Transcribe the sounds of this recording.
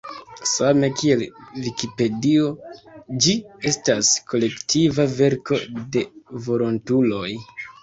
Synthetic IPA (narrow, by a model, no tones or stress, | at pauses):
same̞kʰie̞lvikipe̞dio̞d͡ʒie̞staskʰo̞le̞ktʰivave̞ɾko̞de̞vo̞ɾo̞ntulo̞j